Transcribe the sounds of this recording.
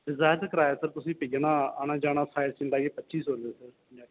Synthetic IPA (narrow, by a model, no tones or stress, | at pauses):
ɖɪzaːjt̪ːkəɾaːjeːsəɾt̪ʊsĩːpəiːaːnãːaːnãːd͡ʒaːnaːsʰaːɪsɪ̃ɳɖaːɡeːpətːʃiːsoːnd̪eːsəɾ | aː